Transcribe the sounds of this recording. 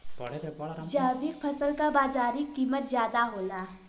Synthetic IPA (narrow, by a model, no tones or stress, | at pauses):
d͡ʒaːbɪkpʰɐsəlkabaːzaːɾikːiːmət̪zjaːd̪aɦoːlaː